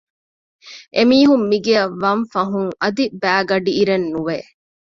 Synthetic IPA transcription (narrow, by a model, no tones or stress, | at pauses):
ʔemiːɦumːiɡeɐʋːɐɱfɐɦuŋɐd̪ibæːɡɐɖiːɾenːuʋe